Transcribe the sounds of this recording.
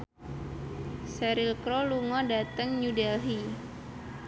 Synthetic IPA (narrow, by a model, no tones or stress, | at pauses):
sɛɾilkɾoluŋɔdat̪əŋɲudɛlɦi